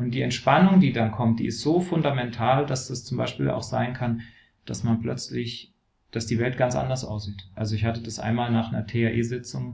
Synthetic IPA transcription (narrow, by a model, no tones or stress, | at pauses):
ʔʊnt̚d̥iːɛntʃpanʊŋdiːdankʰɔmt̚d̥ḭːɪstz̥oːfʊndamɛntʰaːldasd̥ast͡sʊmbaɪʃpiːla̰ʊxz̥aɪnkʰan | d̥asmanplœt͡slɪç | d̥asd̥iːvɛlt̚ɡ̥ant͡sʔa̰ndɐsʔa̰ʊsz̥iːtʔalzoɪçhatəd̥asʔa̰ɪnmaːlnaːχnɐtʰeaʔeːzɪt͡sʊŋ